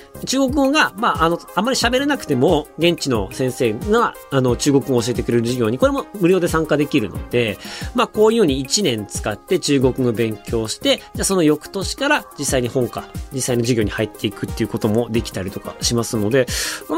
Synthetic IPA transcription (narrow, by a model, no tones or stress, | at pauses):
t͡ɕɨːɡo̞k̬ɯ̟ɡoɡamaʔːno̞amːaɾʲiɕabe̞ɾenakɯ̟t̪e̞mo̞ɡẽ̞ɲt͡ɕino̞sẽ̞ɰ̃se̞ːɡaa | ano̞t͡ɕɨːɡo̞kɯ̟ŋoːɕ̬ie̞t̪e̞kɯ̟ɾe̞ɾɯ̟ʑiɡʲo̞ːɲ̟iko̞ɾe̞mo̞mɯ̟ɾʲo̞ːd̪e̞sãŋkad̪e̞kʲiɾɯ̟no̞̰d̪̥e̞mako̞ːjɯɯ̟ɲ̟iːt͡ɕinẽ̞nt͡sɨ̥kat̪ːe̞t͡ɕɨːɡo̞kɯ̟ɡobẽ̞ŋkʲo̞ːɕi̥t̪e̞d͡ʑaso̞no̞jo̞kɯ̟̥t̪o̞ɕi̥kaɾad͡ʑisːaiɲ̟ihõ̞ŋkad͡ʑisːaino̞ʑiɡʲoːɲ̟ihait̪ːe̞ikɯ̟t̪ːeɯ̟ko̞t̪o̞mo̞d̪e̞kʲi̥t̪aɾʲit̪o̞ka̰ɕimasɨno̞d̪e̞